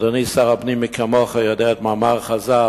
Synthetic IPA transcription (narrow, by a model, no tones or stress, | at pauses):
dɔniːsaʁabnimikʰamɔχəjɔdeatmamaʁχaza